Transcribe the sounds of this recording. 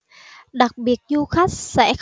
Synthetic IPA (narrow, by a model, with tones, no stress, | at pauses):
ɗa˨˩k̚ɓi˨˩ət̚zu˧xa˦˥jk̚sɛ̰˧˥x